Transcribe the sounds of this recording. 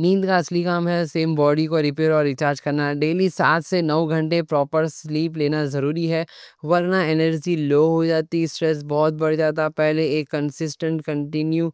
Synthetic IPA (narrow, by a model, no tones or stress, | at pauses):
nĩːnd̪kaɐslikaːmɦɛseːmbɔːɖikoɾɪp̬eːɾɔːɾɪt͡ʃaːɾd͡ʒkɐɾnaɖeːlisaːt̪ʰsenɐʋɡʱɐ̃ɳʈepɾɔːpəɾsliːpleːnazɐɾuːɾiɦɛːʋɐɾnaenəɾd͡ʒiloːɦod͡ʒaːt̪isʈɾɛs̬bɔːt̪̚bɐɽd͡ʒaːt̪̬apɛɦleeːkːɐ̃nsɪsʈə̃ɳʈkɐ̃ɳʈɪnju